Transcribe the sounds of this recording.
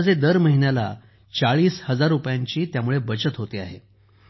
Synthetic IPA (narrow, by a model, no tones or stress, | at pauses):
d͡zʱed̪əɾməɦinjala̰ | t͡saɭiːshəd͡zaɾːupjaɲt͡ɕiːt̪jamuɭebət͡ɕət̪ɦot̪iːaɦe